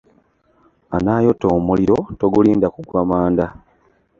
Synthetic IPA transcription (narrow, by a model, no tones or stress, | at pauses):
anaːjo̞toːmuliɾo̞to̞ɡuliːndakuɡwamaːnda